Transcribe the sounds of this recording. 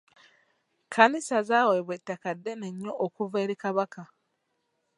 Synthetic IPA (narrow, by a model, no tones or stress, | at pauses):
kʰanisazaweβwetːakadːeneɲːoʔokuveːɾikaβaka